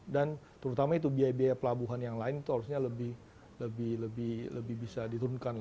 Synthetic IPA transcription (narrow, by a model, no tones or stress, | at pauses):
dant̪əɾut̪amait̪ubiajabiajapəlabuɦanjaŋlaɪnit̪uɦaɾusɲaləbɪh | ləbɪhləbɪhlə̰bɪhbisadit̪uɾunkan